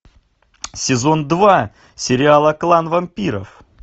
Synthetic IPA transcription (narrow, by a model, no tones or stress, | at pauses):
sʲɪzo̞nd̪va | sʲɪɾʲɪalˠəklˠanvɐmʲpʲiɾə̰f